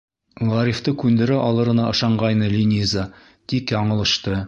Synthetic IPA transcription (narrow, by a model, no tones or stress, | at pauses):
ʁɑɾift̪əkʲʰʉnd̪ɪɾɪʔɑlˠɤ̆ɾə̆nɑə̆ʃɑɴʁɑjnəlʲinʲiza | t̪ʰikjɑɴə̆lˠə̆ʃt̪ə